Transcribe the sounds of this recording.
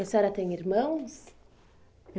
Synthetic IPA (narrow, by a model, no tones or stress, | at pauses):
ɐsɔɾɐt̪ẽj̃iɾmɐ̃w̃s